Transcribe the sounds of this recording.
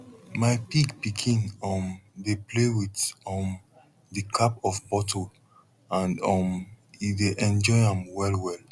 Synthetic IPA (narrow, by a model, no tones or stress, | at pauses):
maɪpiɡpikʰĩnɔmdeplewitɔm | dɨkʰapɔfbɔtʰo | ãnɔm | ideʔɛ̃nd͡ʒɔɪãmwɛlwɛl